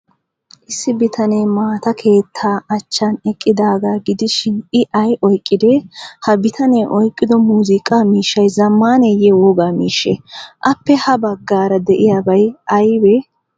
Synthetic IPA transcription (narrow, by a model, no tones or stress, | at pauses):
ʔɪsːɪbɪt̪ɐneːmaːt̪ɐkʰe̞ːt̪ʰːaːɐt͡ʃːɐnɛkʼːɪd̪aːɡaːɡɪd̪ɪʃɪnɪʔɐjʔɔjkʼːɪd̪ɛhɐbɪt̪ʰɐneːʔɔjkʼːɪd̪ɔmuːzɪkʼːamiːʃːɐjzɐmːaːnejɛwoːɡaːmiːʃːeʔɐpːɛhɐbɐɡːaːɾɐd̪ɛʔɪjaːbɐjʔɐjbɛ